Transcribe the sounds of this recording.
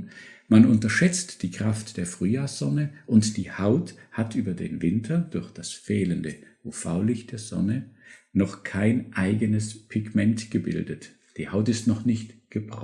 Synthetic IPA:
manʔʊntɐʃɛt͡std̥iːkʁ̥aftd̥eːɐfʁ̥yːjaːsz̥ɔnəʔʊntd̥iːhaʊthatʔyːbɐdḛːnvɪntʰɐdʊɐçd̥asfɛːləndəʔufa̰ʊlɪçt̚d̥eːɐzɔ̰nənɔχkʰaɪnʔaɪɡənəspʰɪɡmɛntɡ̥əbɪ̰ldət | d̥iːhaʊtɪstnɔχnɪçtɡ̥əbʁɔ̰

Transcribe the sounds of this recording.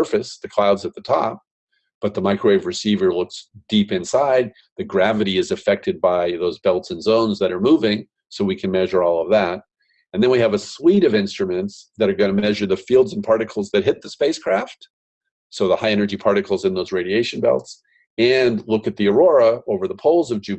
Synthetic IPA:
fɨsðɨkʰl̥aʊdzɨt̪̚ðɨtʰɔ̰p̚ | b̥ʌt̪̚ðəmaɪkʰɹeɪvɹɨsivə˞lʊksd̥ipɨ̃nsaɪd̪̚ | ðɨɡɹævɨɾiɨzɨfɛk̚tɨd̚baɪðoʊzbɛlˠtsɨ̃n̩zõʊ̃nzðɨɾə˞muvɪ̃ŋ | soʊwikʰɨ̃nmɛʒə˞ɔlˠʌvðæt̚ | ɨ̃nðɨ̃nwiɨvɨswiɾʌvɪ̃nstɹ̥ɨmɨ̃ntsðɨɾə˞ɡʌnɨmɛʒə˞ðɨfilˠdz̃n̩pʰɑɹɾɨkʰl̩ˠzðɨt̚ɦɪt̪̚ðɨspeɪskʰɹ̥æft | soʊðəhaɪɛnə˞d͡ʒipʰɑɹɾɨkʰl̩ˠzɨ̃nðoʊzɹeɪɾieɪʃɨ̃n̩bɛ̰lˠts | ɨ̃nlʊkɨt̪̚ðiə˞ɔɹəoʊvə˞ðəpʰoʊlˠzʌvd͡ʒʉ

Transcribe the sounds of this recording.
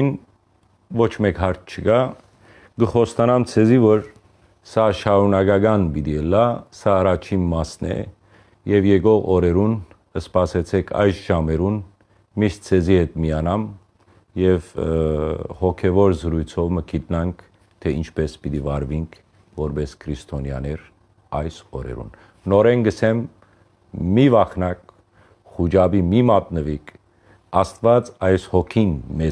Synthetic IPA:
n | vɔt͡ʃʰmɛkɦɑɾt̪̚ʰt͡ʃʰəɡɑ | ɡəχɔst̪ɑnɑmt͡sʰɛzivɔɾ | sɑʃɑɾunɑɡɑɡɑnbid̪iəlːɑsɑːrɑt͡ʃʰinmɑsnɛ̰ | jɛvjɛɡɔʁɔɾɛɾun | əspɑsɛt͡sʰɛkʰɑ̰jsʒ̥ɑmɛɾun | miʃt̪̚t͡sʰɛzihɛt̪mijɑnɑm | jɛv | hɔkʰɛvɔɾzəɾujt͡sʰɔvməkʰit̪̚nɑŋkʰ | t̪ʰɛint͡ʃʰpɛspit̪ivɑɾviŋkʰ | vɔɾbɛskʰɾist̪ʰɔnjɑ̰nɛɾ | ɑjsɔɾɛ̰ɾṵn | nɔɾɛnɡəsɛmː | ivɑχnɑk̚ | χud͡ʒɑbimimɑt̪nəvikʰ | ɑst̪vɑt͡sɑjshɔkʰinmɛ

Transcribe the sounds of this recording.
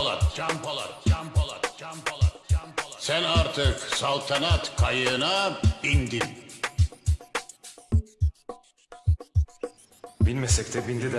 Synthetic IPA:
lˠa̰mplˠapˠapasænaɾt̪ʰɯksalˠt̪ʰanat̪kʰajɯnabind̪in | bilʲmɛsɛct̪ʰɛbind̪id̪

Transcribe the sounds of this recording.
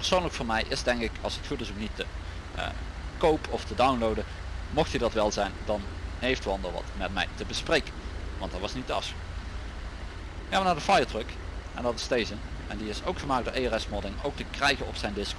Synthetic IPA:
pəɹsownləkfʊːɹmɛjʔɪsdɛŋkɪkʰɑ̰lˠsətxutɪsoknitə̰ | kowpɔftədawnlowdə | mɔxthidɑtʋɛlˠzɛjndɑnɦejftʋɑndəlʋɑ̰tmɛtmɛ̰jtəbəsprejkənʋɑ̰ntdɑtʋɑsnitdəɑ̰fsx | jaːʋənaːdəfajətrɵk | ɛndɑtɪstejzənɛndiɪsowkχəmaːk̚d̥oːɹʔejɛrɛsmɔɹdɪŋowk̚təkrɛjɣənɔpsɛjndɪsk

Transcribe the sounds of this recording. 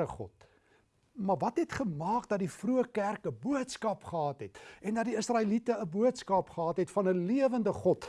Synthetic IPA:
əχɔ̰t̚ | mɐrvɐtɦɛtχəmɑːkdɐt̚difruəkærkəbuətskɐpχəɦɑːtɦɛtɛndɐt̚diəsrɑːilitəəbuətskɑpχəɦɑːtɦɛtfɐnəliəvəndəχɔt

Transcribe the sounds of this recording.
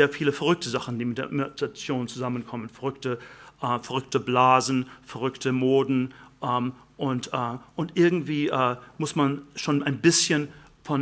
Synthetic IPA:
eːɐfiːləfɛɐʁʏk̚tʰəzaχn̩d̥iːmɪt̚d̥eɐmtat͡sjoːnt͡suzamənkʰɔmənfɛɐʁʏktəʔɛːfɛɐʁʏktəblaːzn̩fɛɐʁʏktʰəmoːdn̩ʔɛːm | ʔʊntʔɛːʔʊntʔɪɐɡŋ̩tv̥iːʔɛːmʊsmanʃoːnaɪnbɪsçənfɔn

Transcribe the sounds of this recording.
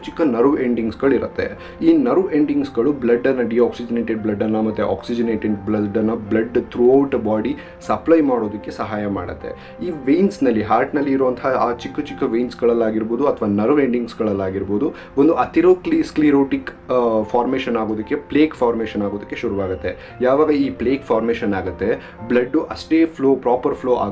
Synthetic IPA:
t͡ʃikːɐnɐɾʋeɳɖiŋɡsɡɐɭiɾɐt̪ːe̞ | iːnɐɾʋeɳɖiŋɡsɡɐɭublɐɖːɐnːɐɖiaːksid͡ʒɐneːʈeɖ̚blɐɖːɐnːɐmɐt̪ːeʔa̰ːksid͡ʒɐneːʈeɖblɐɖːɐnːɐblɐɖt̪ʰɾuɐwʈbaːɖi | sɐplɐjmaːɽo̞ːd̪ɐkːe̞sɐɦaːjɐma̰ːɽɐt̪ːe̞̰ | iːʋejnsnɐlːiɦaːɾʈnɐlːiːɾoʋɐnt̪ʰɐaːt͡ʃikːɐt͡ʃikːɐʋejnsɡɐɭɐlːaːɡiɾboːd̪uɐt̪ʰɐʋaːnɐɾʋeɳɖiŋɡsɡɐɭɐlːaːɡiɾboːd̪u | ʋond̪uɐt̪iɾoːkliskliɾoːʈik | fʰaːɾmeːʃɐnaːɡoːd̪ɐkːe̞pleːkfʰaːɾmeːʃɐnaːɡoːd̪ɐkːe̞ʃuɾuʋaːɡɐt̪ːe̞ | jaːʋaːɡɐiːpleːkfʰaːɾmeːʃɐnaːɡɐt̪ːe̞ | blɐɖːuʔɐsʈeːpʰloːpɾaːpɐɾpʰloːʔa̰ː

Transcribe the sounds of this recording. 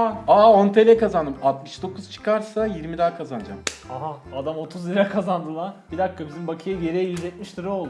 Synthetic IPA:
aont̪ʰe̞lʲɛkazand̪ɯmat̪̚mɯʃd̪o̞kʰuz̥t͡ʃʰɯ̥kʰaɾsajiɾmid̪aːkʰazand͡ʒamaɦaad̪amo̞t̪ʰuzlʲiɾakʰazand̪ɯlˠabid̪akːabizimbakʰɯjajeɾɛjjyzʲɛt̪̚miʃt̪ʰɯɾo̞lˠd̪u

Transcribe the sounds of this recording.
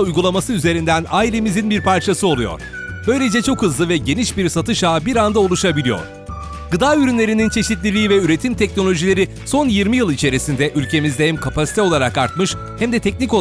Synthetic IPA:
ujɡulˠamasɯyze̞ɾind̪ænaːilʲemizinbiɾpʰaɾt͡ʃʰasɯo̞lˠujo̰ɾ̥ | b̥ø̞jlʲe̞d͡ʒɛt͡ʃʰo̞khɯzlˠɯvɛɟe̞niʃbiɾsat̪ʰɯʃaːbiɾand̪ao̞lˠuʃabilʲijo̞̰ɾ̥ | ɡɯd̪aːyɾynlʲe̞ɾinint͡ʃʰe̞ʃit̪lʲilʲiːvɛyɾe̞t̪ʰimt̪ʰɛcno̞lʲo̞ʒilʲe̞ɾi | so̞njiɾmijɯlˠit͡ʃʰe̞ɾisind̪ɛʔylʲcʰe̞mizd̪ɛɛmkʰapasi̥t̪ɛo̞lˠaɾakaɾt̪̚mɯʃ | hæmd̪ɛt̪ʰɛc̚nico

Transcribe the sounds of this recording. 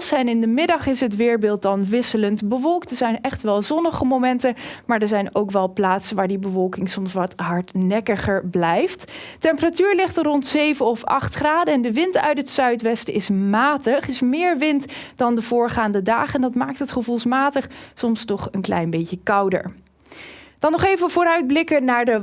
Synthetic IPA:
sɛjnɪndəmɪdɑχɪsɦətʋɪːɹbɪːlˠt̚dɑnʋɪsələntbəʋɔlˠktdəɹzɛjnɛχtʋɛlˠzɔnəχəmowmɛntəmaːɹdəɹzɛjnowkʋɛlˠplaːtsənʋaːɹdibəvɔlˠkɪŋsɔmsʋɑtɦɑɹtnɛkəχəɹblɛjfttɛmpəratyːɹlɪχtərɔntsejvənɔfɑ̰χtχraːdəɛndəʋɪntœ̰ɥtɦətsœɥtʋɛstəɪsmaːtəχɪsmɪːɹʋɪntdɑndəv̥ʊːɹχaːndədaːχɛndɑtmaːk̚tɦətχəvulˠsmaːtəχsɔmstɔχənklɛ̰jnbejcəkɑwdə̰ɹ | d̥ɑnːɔχejvəvʊːɾœɥd̚blɪkənaːɹdə

